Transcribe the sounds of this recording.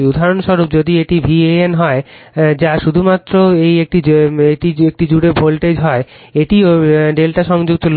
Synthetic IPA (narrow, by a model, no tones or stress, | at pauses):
ud̪ʱaɾonʃɔɾop̚d͡ʑod̪ieʈibʱieenɦɔe | d͡ʑaʃud̪ʱumat̪ːɾoejek̚ʈieʈiek̚ʈid͡ʑuɽebʱolʈed͡ʑɦɔe | eʈioɖelʈaʃɔŋd͡ʑoɡ̚t̪ol